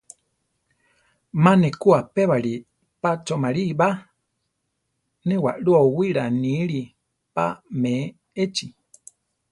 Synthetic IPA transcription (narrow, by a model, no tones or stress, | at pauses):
mãnekuapeβaɺi | pat͡ʃomaɾiβa | newaʔɺuauwiɾanĩɺi | pa̰mẽ | et͡ʃi